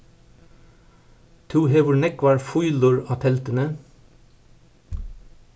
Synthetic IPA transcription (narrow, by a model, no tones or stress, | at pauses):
t̪ʰuːheːʋʊɳɛkʋɑːɹfʊʏlʊɹɑːt̪ʰɛlt̪ənə